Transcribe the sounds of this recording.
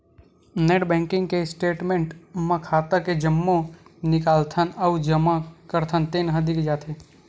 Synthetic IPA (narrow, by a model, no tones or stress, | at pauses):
neʈbɛ̃ːŋkɪ̃ŋɡkesʈeːʈmẽɳʈmãkʰaːt̪əked͡ʒəmːõnɪkaːlt̪ʰənəud͡ʒəmãkəɾt̪ʰənt̪eːnɦəd̪ikd͡ʒaːt̪ʰe